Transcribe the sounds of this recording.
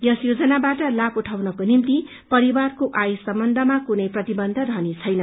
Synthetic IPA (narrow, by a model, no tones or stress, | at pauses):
jʌsjod͡zʌnabaʈʌlapuʈʰawnʌkonimt̪i | pʌɾiwarkoʔajsʌmbʌnd̪ʱʌmakunʌjprʌt̪ibʌnd̪ʱʌɾʌɦʌnit͡sʰʌjnʌ